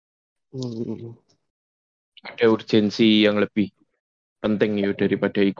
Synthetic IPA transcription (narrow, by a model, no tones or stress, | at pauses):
aɖ̥a̤ur̥ʒ̥ɛnsijaŋləb̥ɪh | pənt̪ɪŋijoɖ̥a̤ɾipaɖ̥a̤ik